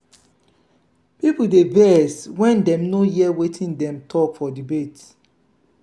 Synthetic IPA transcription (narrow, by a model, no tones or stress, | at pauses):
pipudevɛswɛ̃ndɛ̃mnojiɛwetʰĩndɛ̃mtʰɔkfɔdibet